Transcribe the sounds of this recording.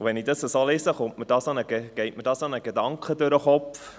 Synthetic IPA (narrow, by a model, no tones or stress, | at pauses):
ʋɛnɪdɑsəsoːleːsəχʊntmɪd̥ɑːsɑnəɡeɡ̥ɛɪʔmədɑːsɑnəɡedɑŋkχədøɾəχɔpf